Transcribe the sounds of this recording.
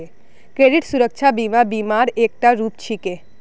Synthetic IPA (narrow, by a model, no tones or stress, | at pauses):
e | kɾeɖiʈsuɾəkʃʰabimãbimaɾek̚ʈaɾupt͡ʃʰike